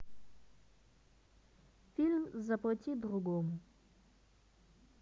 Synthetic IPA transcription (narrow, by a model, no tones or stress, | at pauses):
fʲilʲmzɐplˠɐtʲid̪ɾʊɡɔmʊ